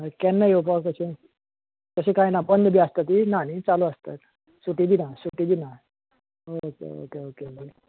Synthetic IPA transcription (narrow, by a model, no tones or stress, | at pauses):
kɛnːajop̬əkəsĩ | kəsĩkajnabənd̪ʱbiast̪ət̪inanit͡saluast̪ə̰t̪ | suʈibinasuʈibina | ookḛo̰keokeoke